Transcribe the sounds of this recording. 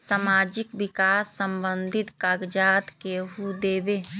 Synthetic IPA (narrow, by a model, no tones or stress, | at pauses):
samaːd͡ʒɪkbɪkaːsːəmbə̃nd̪ʱɪt̪kaːɡd͡ʒaːt̪keɦud̪eːbe